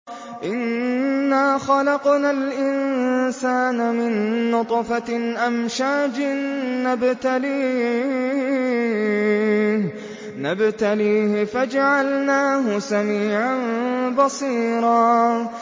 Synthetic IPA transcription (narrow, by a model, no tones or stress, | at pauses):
ʔɪnː | aːxɑlɑqnalʔɪnsaːnmɪnːʊt̪ˤfaʔamʃaːd͡ʒɪːabt̪aliːh | nabt̪aliːhɪfad͡ʒaʕalnaːɦʊsamiːʕanbɑsˤiːɾɑː